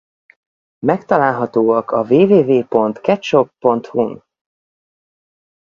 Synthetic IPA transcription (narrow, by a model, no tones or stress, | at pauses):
mɛkt̪ɒlaːlɦɒt̪oːɒkʰɒveːveːveːpo̞nt̪kɛt̪ʃo̞kpo̞nt̪hun